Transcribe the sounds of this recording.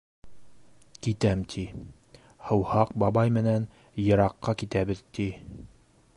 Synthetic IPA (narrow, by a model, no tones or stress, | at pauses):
kit̪æmt̪ʰi | hɤ̆whɑq̚bɑbɑjmɘ̆næn | jɤ̆ɾɑqːɑkit̪æβɘðt̪i